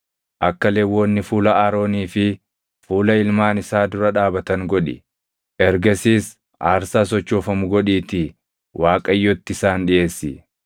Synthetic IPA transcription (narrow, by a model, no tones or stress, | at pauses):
ʔɐkːɐleːwoːnːɪfuːlɐʔɐɾo̞ːniːfɪ | fuːlɐɪlmaːnɪsaːd̪ʊɾɐᶑaːbɐt̪ɐŋɡɔᶑɪ̰ | ʔɛɾɡɐsiːs | ʔaːɾsaːsɔt͡ʃːoːfɐmʊɡɔᶑiːt̪ɪ | wʔaːkʼɐjːot̪ːɪsaːnᶑɪʔe̞ːsːɪ